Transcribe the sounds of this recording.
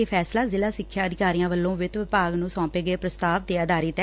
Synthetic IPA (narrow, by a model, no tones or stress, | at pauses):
eːpʰɛːslaːzɪlaːsɪkʰːjaːəd̪ɪkaːɾijãːʋəlːõːʋɪt̪ʋɪpaːɡnũːsɔ̃ːpeːɡəeːpɾəst̪aːʋd̪eːəd̪aːɾiːt̪ɛː